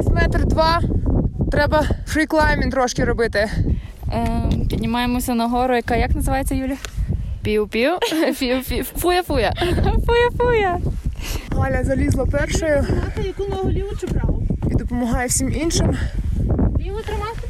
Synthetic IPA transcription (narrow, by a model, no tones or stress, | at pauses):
sʲmɛt̪rd̪ʋɑ | t̪ɾɛbɐfɾiklˠajmʲint̪ɾɔʃkɪɾɔbɪt̪ɪ | pʲid̪ʲnʲɪmɑjemɔsʲɐnɐɦɔɾʊjɐkɑjɐknɐzɪʋɑjet͡sʲːɐjulʲɐpʲiwpʲipʲiwpʲifujɐfujɐfujɐfujɐ | ɦɑlʲɐzɐlʲizlˠɐpɛrʃɔjʊɑt̪ɐjɐkunɐɦɐlʲiʋʊt͡ʃɪbɾɑid̪ɔpɔmɔɦɑjewsʲiminʃɪm | ʋɔt̪ɾɪmɑt̪